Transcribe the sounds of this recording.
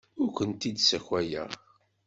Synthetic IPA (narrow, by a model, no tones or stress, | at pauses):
ʊɾkʷənt̪id̪sæçwæjæ̰